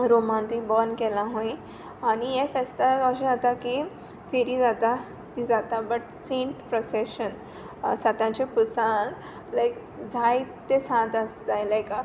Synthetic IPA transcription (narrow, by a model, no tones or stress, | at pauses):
ɾomãnt̪ibɔnkɛlaɦõĩ | anijefest̪akaɕ̬ĩat̪aki | feɾid͡zat̪a | t̪id͡zat̪abəʈsẽɳʈpɾɔseɕən | sat̪ãt͡ɕepusãn | lajk | d͡zʱajt̪esãt̪əsd͡zajlajka